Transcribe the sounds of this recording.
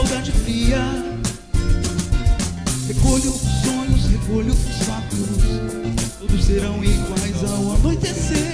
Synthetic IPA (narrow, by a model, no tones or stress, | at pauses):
wd̪ad͡ʒɪfɾiɐ | hekolot̪ʊsõɲʊshekolʊt̪ʊsakɾʊst̪od̪ʊseɾɐ̃w̃iɡwajzawanojt̪ese